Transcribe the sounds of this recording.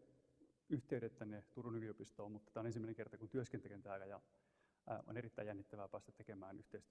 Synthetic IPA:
yht̪eyɾet̪ːænet̪urunykyopist̪oːmut̪ːɑ̥t̪æonensimːæeneŋkert̪ɑkunt̪yøskent̪ekent̪æːkɑjɑ̰ | o̰nerit̪ːæijjænːit̪ːæʋæːpæːst̪æt̪ekemæːnyht̪eist̪y

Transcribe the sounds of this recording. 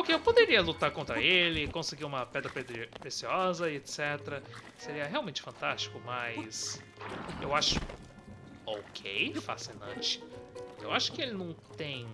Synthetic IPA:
okeewpod̪eɾiɐlut̪aɾkõnt̪ɾɐelɪkõsɪɡiɾũmɐpɛd̪ɾɐpɾepɾesiɔzɐet̪sɛt̪ɾɐ | seɾiɐɦeawˠmẽnt͡ʃɪ̥fɐ̃nt̪ast͡ʃɪ̥kʊmɐjs | ewaʃʊ̥ | okʰḛjɪfa̰sinɐ̰̃t͡ʃɪ̥ewaʃʊ̥kɪelɪnɐ̃w̃t̪ẽj̃

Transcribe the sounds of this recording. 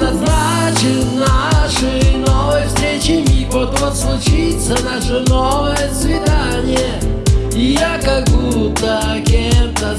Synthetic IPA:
nɐzna | t͡ɕɪnaʂɨnovəjəfst̪ɾʲet͡ɕɪmʲipot̪vəslˠʊt͡ɕit̪sənaʂɨnovəjəsvʲɪd̪anʲɪjə | ijakɐɡbut̪ːəkʲemt̪ə

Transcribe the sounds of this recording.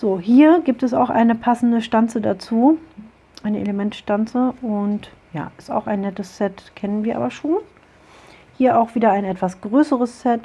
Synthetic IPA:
z̥oːɦiːɐɡiːp̚tɛsa̰ʊxʔa̰ɪnəpʰasn̩dəʃtant͡sədat͡suː | ʔaɪnəʔḛləmɛntʃtant͡səʊnt | ja̰ːʔɪsta̰ʊxaɪnːɛtəssɛtkʰɛnənviːɐʔaːbɐʃoːn | hiːɐʔaʊxv̥iːdɐaɪnʔɛtv̥asɡ̥ʁøːsəʁəssɛt

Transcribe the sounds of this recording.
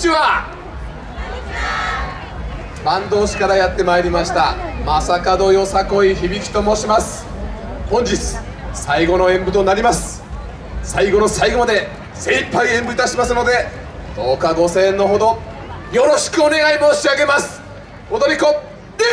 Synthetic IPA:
ia | bãnd̪o̞ːɕi̥kaɾajat̪ːe̞maeɾʲimaɕi̥t̪amasakad̪o̞jo̞sako̞içibʲikʲi̥t̪o̞moɕimasɨ̥hõ̞ɲ̟d͡ʑit͡sɨ̥ | saiɡo̞no̞ẽ̞mbɯ̟t̪o̞naɾʲimasɨ̥ | saiɡo̞no̞saiɡo̞mad̪e̞ | sẽ̞ipːaiẽ̞mbɯ̟it̪aɕimasɨno̞d̪e̞ | t̪o̞ːkaɡo̞se̞nːo̞ɦo̞d̪o̞jo̞ɾo̞ɕi̥kɯ̟o̞ne̞ɡaimo̞ːɕiaɡe̞masɨ̥ | od̪oɾʲiko

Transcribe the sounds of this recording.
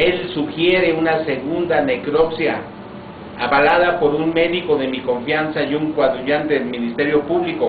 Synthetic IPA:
e̞lsuxjeɾeunaseɣund̪anekɾopsja̰ | aβalaðapoɾunme̞ðikoðemikoɱfjansajuŋkwaðɾuʝant̪eðelminist̪eɾjopuβliko

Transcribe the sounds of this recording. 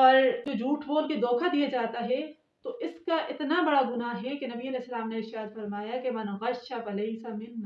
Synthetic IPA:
ɔːɾd͡ʒoːd͡ʒʱuːʈɦoːlked̪oːkʰad̪ijad͡ʒaːt̪aɦɛ | t̪oʔɪskaʔɪt̪nabɐɽaɡʊnaɦɛkenɐbiɐlɛɦsːɐlaːmneɪɾʃaːt̪fɐɾmaːjakemɐnɣɐʃʃabɐlɐɪsɐmɪnːa

